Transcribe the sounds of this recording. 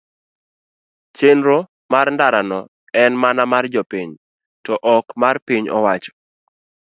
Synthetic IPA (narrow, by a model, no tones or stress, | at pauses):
t͡ʃenɾo | marndaɾanɔ | ɛnmanamard͡ʒɔpiɲ | tɔʔɔkmarpiɲɔ̰wat͡ʃɔ̥